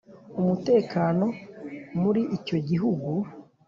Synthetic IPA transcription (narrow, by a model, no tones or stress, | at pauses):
umute̞ːkaːno̞muɾiʔico̞ɟiɦuɡu